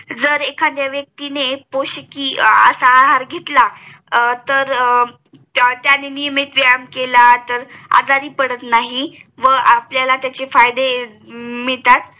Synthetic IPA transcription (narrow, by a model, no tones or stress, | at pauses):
d͡zəɾekʰãd̪jaʋjək̚t̪inepoɕəkiːə̰saːɦaɾɡʱet̪la | t̪əɾ | t̪janenijəmet̪ʋajəmkelat̪əɾa̰d̪ʱaɾiːpəɽət̪naɦiʋəʔapljalat̪jat͡ɕefajd̪e | miɭt̪at̪̚